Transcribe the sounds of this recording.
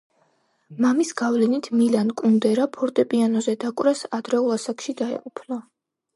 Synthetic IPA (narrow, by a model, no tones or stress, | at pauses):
mamisɡ̥avlɛnit̪ʰmilankʼund̪ɛɾapʰɔɾt̪ʼɛpʼianɔzɛd̪akʼwɾasad̪ɾɛulˠasakʰʃid̪aɛ̰qʼupʰlɔ